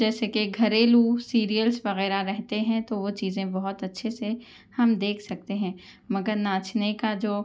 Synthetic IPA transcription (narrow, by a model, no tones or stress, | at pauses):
d͡ʒɛːsekeɡʱɐɾeːlusiːɾijəlsʋɐɣɛːɾaɾɛɦt̪eɦɛ̃t̪oʋot͡ʃiːzẽbɐɦʊt̪ɐtːʃʰese | hɐmd̪eːkʰsɐk̚t̪eɦɛ̃ː | mɐɡəɾnaːt͡ʃʰnekad͡ʒoː